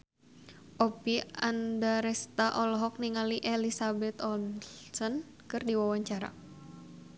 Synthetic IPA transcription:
ʔɔpiandaɾɛst̪aʔɔlɔɦɔk̚niŋaliʔɛlisabɛt̪ɔsɔn | kɨrdiwawaɲt͡ʃaɾa̰

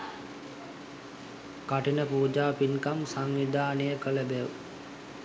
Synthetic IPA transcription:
kaʈinəpuːd͡ʒaːpinkamsaŋʋid̪ʱaːnəjəkələbeʋ

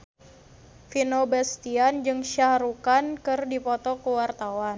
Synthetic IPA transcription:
finobɛst̪iand͡ʒɨŋʃaɾukankɨrdipɔt̪ɔkuwart̪awan

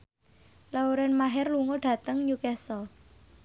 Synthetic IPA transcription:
lawɾɛnmaɦɛrluŋɔɖ̥ä̤t̪əŋɲukɛsɔ

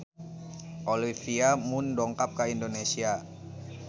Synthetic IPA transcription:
ʔolifiamundɔŋkap̚kaindonesia

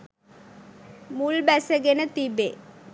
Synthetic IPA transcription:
mulbæsəɡenət̪ibe

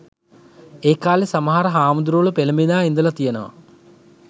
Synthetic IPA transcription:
eːkːaːlisɐmɦaːɾɐɦaːmund̪uɾuːɭupelɐmbinaːind̪ulɐt̪ijɐnɐ̰

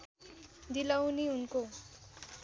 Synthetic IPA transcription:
d̪ilawniunko

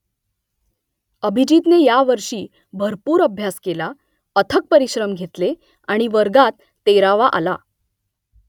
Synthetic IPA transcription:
əbʱid͡ʑit̪nejaʋəɾʂiː | bʱəɾpuːɾəbʱjaskela | ət̪ʰək̚pəɾiɕɾəmɡʱet̪le | aɽ̃iʋəɾɡat̪ːeɾaʋaʔa̰la

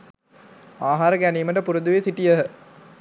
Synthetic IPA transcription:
aːɦaːɾɐkæniːmɐʈɐpuɾud̪uʋeːsiʈijɐɦ

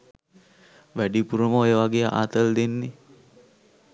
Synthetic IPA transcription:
ʋæɖipuɾəməojəʋaɡejəʔa̰ːt̪əld̪enːi

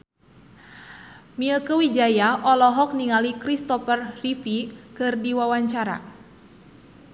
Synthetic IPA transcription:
milkəwid͡ʒajaʔɔlɔɦɔk̚niŋalikɾist̪ɔfərrifikɨrdiwawaɲt͡ʃaɾa̰

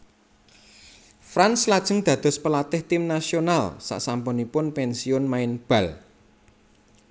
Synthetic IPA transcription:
fɾanslad̥ʒ̥ə̤ŋd̪̥ä̤d̪̥ɔ̤spəlat̪ɪht̪ɪmnasionalsa̰ʔsampʊnipʊnpɛnsiʊnmaɪnb̥ä̤l

